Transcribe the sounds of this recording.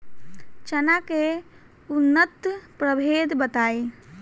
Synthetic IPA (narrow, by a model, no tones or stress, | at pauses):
t͡ʃənake | unːət̪pɾəbʱed̪bət̪aːi